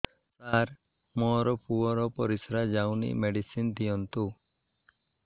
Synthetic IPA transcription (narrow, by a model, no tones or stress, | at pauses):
t̪aɾ | mɔɾɔpuɔɾɔpɔɾisɾad͡ʒawnḭmeɖisind̪ijɔnt̪u